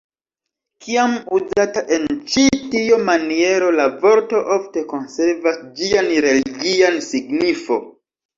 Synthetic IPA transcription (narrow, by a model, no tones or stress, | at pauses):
kiamuzataʔe̞nt͡ʃitiomanie̞ɾo̞lavo̞ɾto̞ʔofte̞ko̞nse̞ɾvasd͡ʒianɾe̞liɡiansiɡnifo̞̰